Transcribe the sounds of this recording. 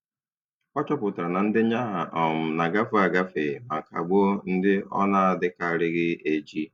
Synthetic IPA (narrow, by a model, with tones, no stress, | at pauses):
ɔ˦t͡ʃɔ˦pʊ˨ta˨ɾa˨na˨n̩˦dɪ˦ɲa˦ɦa˨ʔɔ˨m̩˨na˨ɡa˦fʊ˦a˨ɡa˦fe˨ma˨ka̰˨ɡ͡bo˦n̩˦dɪ˦ɔ̰˦na˦a˨dɪ˦ka˨ɾɪ˦ɣɪ˦e˨d͡ʒi˦